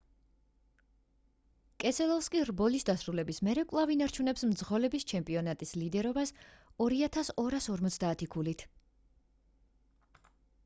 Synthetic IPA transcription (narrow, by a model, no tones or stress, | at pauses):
kʼɛsʰɛlˠɔlˠskʼiɾbɔlisd̪asɾulɛbismɛɾɛkʼlˠavinaɾt͡ʃʰunɛpsmd̪zʁɔlɛbist͡ʃʰɛmpʼiɔnat̪ʼislid̪ɛɾɔbasɔɾiat̪ʰasɔɾasɔɾmɔt̪sʰd̪aːt̪ʰikʰulit̪ʰ